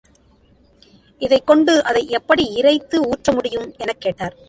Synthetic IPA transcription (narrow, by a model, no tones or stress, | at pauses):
ʔɪðɐɪkːɔɳɖɯʔɐðɐɪʔɛpːɐɽiɪɾɐɪt̪ːɯuːʈrɐmʊɽɪjɯmɛnɐkːeːʈːaːɾ